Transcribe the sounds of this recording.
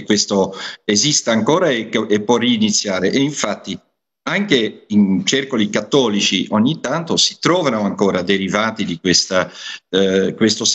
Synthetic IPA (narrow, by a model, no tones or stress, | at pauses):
kːwest̪oezist̪aaŋkoːɾaeepːwɔriːnit̪sːjaːɾeʔeiɱfat̪ːi | aŋk̟eint͡ʃerkolikat̪ːɔːlit͡ʃiʔoɲːit̪ːant̪osi̥t̪ɾɔːvanoaŋkoːɾad̪eɾivaːt̪id̪ikwest̪a | kwest̪os